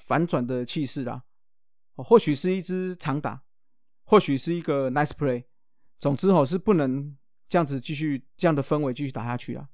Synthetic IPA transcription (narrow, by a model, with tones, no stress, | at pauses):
fa˨˦nt͡swa˨˩nd̪ə˨t͡ɕʰi˥˧ʂɻ̩˥˩la̰˩˨˧ | xwɔ˥˩ɕy˨˩ʂɻ̩˥˧i˥˩t͡s̩˥t͡sʰɑ˧˥ŋt̪a̰˨˩˦ | xwɔ˥˩ɕy˨˩ʂɻ̩˥˩i˧˥ɡə˨na˧˩ɪspʰle˨˦ɪ | t͡sɔ˨˩ŋt͡sɻ̩˦˥xo˥˩ʊʂ̬ɻ̩˥˧pu˥˩nə˧˦ŋ | ʈ͡ʂɤ˥˧ja˥˩ŋd͡zɹ̩˨˩t͡ɕi˥˧ɕy˥˩ʈ͡ʂɤ˥˧ja˥˩ŋd̪ə˩fə˦nwe˧˦t͡ɕi˥˧y˥˩a˨˩ja˥t͡ɕʰy˥˩la̰˨˩